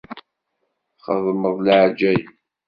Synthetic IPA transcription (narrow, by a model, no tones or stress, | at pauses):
χəðˤməðˤlʕd͡ʒæj